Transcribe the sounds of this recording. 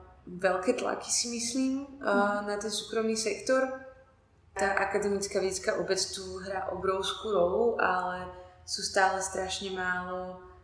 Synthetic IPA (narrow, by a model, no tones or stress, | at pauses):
ʋɛlkɛːt̪la̰ki̥simisliːmnat̪ɛnsuːkɾɔmniːsɛkt̪ɔɾ | t̪t̪aːʔakad̪ɛmit͡skaːʋɛɟɛt͡skaːʔɔbɛt͡st̪uɦɾaːʔɔbɾɔʊskuːɾɔluʔalɛsuːst̪aːlɛst̪ɾaʃɲɛmaːlɔ